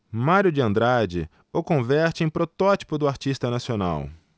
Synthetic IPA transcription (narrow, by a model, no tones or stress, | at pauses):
maɾjʊd͡ʒɪɐ̃nd̪ɾad͡ʒɪ̰ | okõvɛɾt͡ʃɪẽj̃pɾot̪ɔt͡ʃi̥pʊd̪ʊaɾt͡ʃist̪ɐnasiona̰w